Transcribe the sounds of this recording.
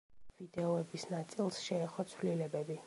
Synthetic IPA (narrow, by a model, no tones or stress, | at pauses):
vid̪ɛɔɛbisnat̪sʼilˠsʃɛːχɔt̪sʰvlilɛbɛbi